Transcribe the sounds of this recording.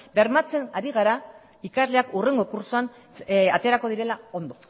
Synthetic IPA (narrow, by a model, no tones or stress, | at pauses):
beɾmat͡se̞naɾiɣ̞aɾa | ikazle̞akure̞ŋɡo̞kuɾsoan | at̪e̞ɾako̞ð̞iɾe̞lao̞nd̪o̞